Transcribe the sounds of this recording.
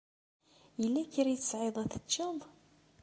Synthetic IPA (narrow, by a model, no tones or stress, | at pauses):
jəlːæçəɾiθə̥sʕeðˤæθə̥t͡ʃːɑðˤ